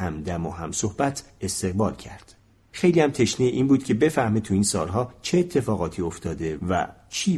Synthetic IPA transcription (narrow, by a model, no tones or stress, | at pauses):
æmd̪æmoɦæmsohb̥æt̪ʰ | e̞st̪e̞ɣbɒːlcʰæ̰ɾd̪̥ | xe̞jliːhæmt̪ʰe̞ʃnieʔiːnbuːd̪̥kcʰe̞be̞fæhmet̪ʰuiːnsɒːlɦɒːt͡ʃʰeet̪ʰːe̞fɒːɣɒːt̪ʰiːo̞ft̪ʰɒːd̪e̞væ̰ | t͡ʃʰiː